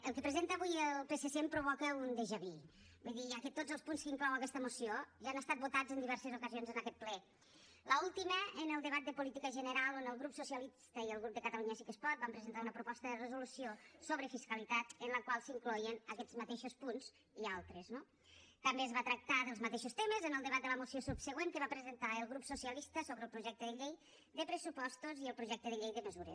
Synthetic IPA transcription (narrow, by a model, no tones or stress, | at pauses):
əlˠkəpɾəzent̪əβujəlˠpesesempɾuβ̞ɔkəund̪eʒəβi | buðiəkət̪od͡zəlˠspunskəiŋklɔwɐkɛst̪əmusioʒaːnəst̪at̪̚but̪ad͡zənd̪iβɛɾsəzukəzionzənəkɛt̪̚plɛ | ləulˠt̪iməənəlˠd̪əβat̪̚d̪əpulit̪ikəʒənəɾalˠonəlˠɣɾupsusiəlist̪əiəlˠɣɾup̚d̪əkət̪əluɲəsikəspɔt̪̚bampɾəzent̪aunəpɾupɔst̪əðərəzulusiosoβɾəfiskəlit̪at̪ənləkwalˠsiŋklɔjənəkɛd͡zmat̪eʃospunz | ialˠt̪ɾəzno | t̪ambeəzβat̪ɾək̚t̪aðəlˠzmat̪eʃost̪eməzənəlˠd̪əβat̪̚d̪ələmusiosupsəɣweŋkəβapɾəzənt̪aəlˠɣɾupsusiəlist̪əsoβɾəlˠpɾuʒɛk̚t̪əðəʎej | ðəpɾəsupɔst̪uziəlˠpɾuʒɛk̚t̪əðəʎejðəməzuɾə̰